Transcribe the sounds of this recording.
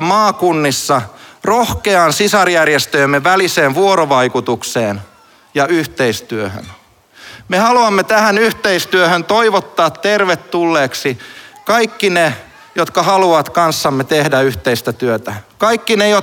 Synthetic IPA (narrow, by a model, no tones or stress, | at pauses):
mɑːkunːisːɑrohkeɑːnsisɑrjærjest̪øemːeʋæliseːʋʋuoɾoʋɑikut̪ukseːn | jɑyht̪eist̪yøhø̰n | mehɑluɑmːet̪æhænyht̪eist̪yøhønt̪oiʋot̪ːɑːt̪terʋet̪ːulːeːksikɑikːine | jot̪kɑhɑluɑt̪kɑnsːɑmːet̪ehdæyht̪eist̪æt̪yøt̪ækɑikːinejo